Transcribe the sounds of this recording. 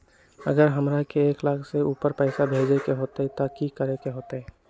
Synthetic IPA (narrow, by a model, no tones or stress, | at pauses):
ə̰ɡəɾɦəmɾakeeːklakʰseuːpəɾpɛːsabʱeːd͡ʒekeɦoːt̪aɦɛt̪akikəɾekeɦoːt̪aɦɛ